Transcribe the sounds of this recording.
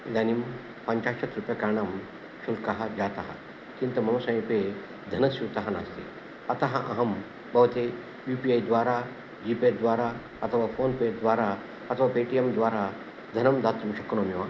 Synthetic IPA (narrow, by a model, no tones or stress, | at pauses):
d̪anim | pɐɲt͡ʃaːʃɐt̪ɾupjɐkɐɾɳɐm | ʃulkɐɦad͡ʒaːt̪ɐɦa̰ | kint̪ɐmɐmɐsɐ̃jĩpe | d̪ʱɐnɐsjut̪ɐɦɐna̰st̪ḛ | ɐt̪ɐɦɐ̃ʔɐɦɐm | bɐʋt̪e | juːpiajd̪ʋaːɾa | d͡ʒipeɖd̪ʋaːɾa | ɐt̪ʰɐʋafoːnpeɖd̪ʋaːɾa | ɐt̪ʰɐʋaːpeʈiemd̪ʋaːɾa | d̪ʱɐnɐmd̪aːt̪ɾumʃɐkonomjiʋa